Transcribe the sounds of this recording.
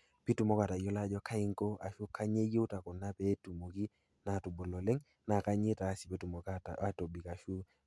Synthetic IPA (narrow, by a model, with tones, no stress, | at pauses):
pi˦tu˨mo˦ka˨ta˨jo˦la˦d͡ʒɔ˦ka˦ɪ˦ŋko˦ʔa˨ʃu˦kʰa˦ɲe˦je˦u˦ta˨kʊ˨na˦pɛ˦tu˨mo˨ki˦ | na˨tu˨bo˨lo˨le˦ŋ | na˨ka˦ɲe˦ta˨˦si˨pe˦tu˨mo˨ka˦˨a˦to˨bi˨ka˨ʃu˦